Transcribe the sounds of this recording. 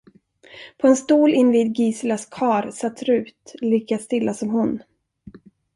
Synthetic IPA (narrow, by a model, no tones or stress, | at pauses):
pʰɔɛnst̪uːlɪnːviːd̪ɡiːslaskʰɑːɾsat̪ːɾʉ̟ːt̪liːkast̪ɪlːasɔmɦʊn